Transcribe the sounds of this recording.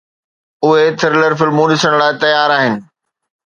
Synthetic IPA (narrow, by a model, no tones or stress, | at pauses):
ʊɦet̪ʰɪɾɪləɾfɪlmoːnɪsəɽ̃laːɪt̪ɐjaːɾaːɦɪnɪ̆